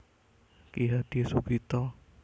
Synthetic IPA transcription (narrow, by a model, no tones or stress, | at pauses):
kiɦad̪̥isuɡit̪ɔ